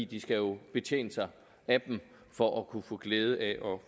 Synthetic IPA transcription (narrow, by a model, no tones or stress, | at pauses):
ḭːd̥isɡ̥æjo̝b̥e̝t͡sʰḛːnəsɑ̈ɪ | æb̥em | fɒ̽ʔækʰufɔ̰̽ːɡ̥leːð̞ˠəʔæʔɒ̽